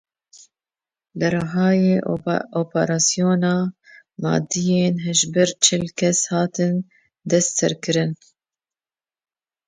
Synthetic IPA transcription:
lɨɾɨɦɑːjeːʔoːpɛɾɑːsijoːnɑːmɑ̰ːd̪ijeːnɦɛʒbɨɾt͡ʃʰɪlkʰɛshɑːt̪ɨn | d̪ɛst̪ɛ̰ɾkɨɾɨn

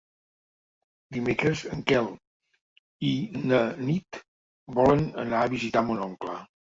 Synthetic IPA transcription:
d̪imekɾəzəŋkɛlˠ | inənit̪ | bɔlənə̰naəβizit̪amunɔŋklə

